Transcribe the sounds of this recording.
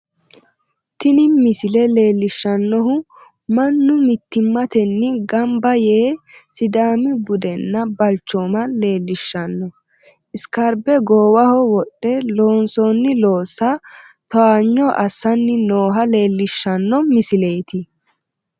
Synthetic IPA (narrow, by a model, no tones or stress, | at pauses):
t̪ɪnɪmɪsɪlɛle̞ːlːɪʃːɐnːɔɦʊ | mɐnːʊmɪt̪ːɪmːɐt̪ɛnːɪɡɐmbɐje̞ːsɪd̪aːmɪbʊd̪ɛnːɐbɐlt͡ʃːoːmɐle̞ːlːɪʃːɐnːɔ | ʔɪskɐɾbɛɡoːwɐhɔwɔɗːɛlo̞ːnsɔnːɪlo̞ːsɐ | t̪ɔaːɲːɔʔɐsːɐnːɪnoːɦɐle̞ːlːɪʃːɐnːɔmɪsɪle̞ːt̪ɪ